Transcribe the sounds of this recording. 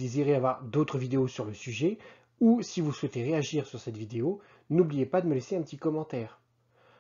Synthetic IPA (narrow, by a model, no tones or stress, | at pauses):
eziʁeavwaʁd̪ot̪χəvid̪eosyʁləsyʒɛ | usivuswɛt̪eʁeaʒiʁsyʁsɛt̪vid̪eo | nublijepad̪əməleseɛ̃pət̪ikɔmɑ̃t̪ɛːʁ